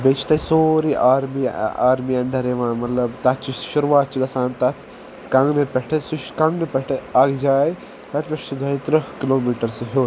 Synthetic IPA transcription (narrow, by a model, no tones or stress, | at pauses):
bet͡ʃʰt̪ɐisoːɾiʔaːɾmia̰ːɾmiɐɳɖʱɐɾeːʋãːnmɐt̪lɐbt̪ɐtt͡ʃiʃuɾʋaːt̪̚ːt͡ʃiɡɐsaːnt̪ɐt̪ʰ | kɐ̃ŋɡnepɛʈʰesuʃkɐ̃ŋɡnepɛʈʰeaːɡd͡ʒaːj | t̪ɐt̪peʂt͡ʃid̪ʱɐit̪ɾɐkiloːmiːʈɐɾsɐɦoː